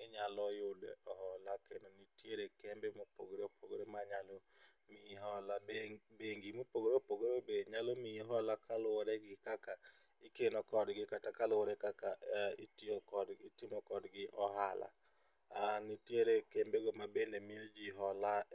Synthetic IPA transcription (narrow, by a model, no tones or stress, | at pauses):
ɪɲalɔjʊdɛ̰ɔɦɔlakenonitjeɾekembemopo̰ɡoɾeopʰoɡoɾemaɲalo | mɪɦɔlabeŋɡimopoɡoɾopoɡoɾobeɲalɔmɪiɦɔlakʰalɔɾɛɡɪkaka | ɪkenɔkɔdɡɪkatakalɔɾɛkakaitiokɔditimɔkɔdɡɪʔɔɦala̰ | anitjeɾekembeɡɔmabendemɪod͡ʒiɦɔla